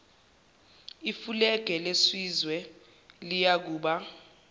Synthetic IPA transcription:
ifulɛɡ̥ʱɛleswizwɛ | lijak̬uːɓa

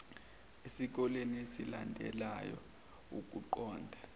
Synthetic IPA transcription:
esik̬ɔleniesilandʱɛ̰lajɔ̰ | ṵk̬ʼuǃɔːndʱa

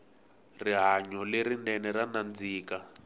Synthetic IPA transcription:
riɦaɲɔleɾinɛnɛranand͡ziːka

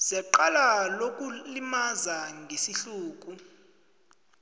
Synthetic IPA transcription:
zɛǃalalok̬ʼulimazaŋɡʱesiɬuːk̬ʼu

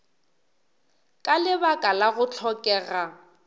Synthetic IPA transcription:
kʼalɪbakʼalaɣʊt͡ɬʰɔkʼɛːɣa

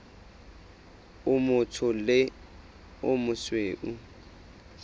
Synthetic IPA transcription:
ʊmʊtʰʊlɪ | ʊmʊsweːʔu

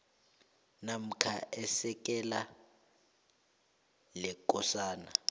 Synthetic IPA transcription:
nam̩kʰaʔɛsɛk̬ʼɛla | lɛkʼɔsaːna

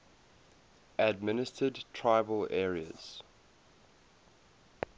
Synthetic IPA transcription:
əd̚mɪnɪstədtʰɹaɪbəlɛːɹiə̰z̥

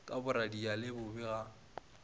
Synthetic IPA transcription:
kʼabʊɾadialɪbʊbɛɣa

